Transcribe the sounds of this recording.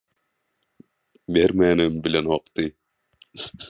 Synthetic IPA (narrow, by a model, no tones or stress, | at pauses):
beɾmænɪmbɪlɛnɒqt̪ɨ